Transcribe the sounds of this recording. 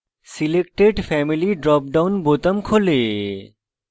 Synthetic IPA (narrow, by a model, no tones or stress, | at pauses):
silekʈeɖfʰɛmiliɖɾɔp̚ɖawnbot̪əmkʰole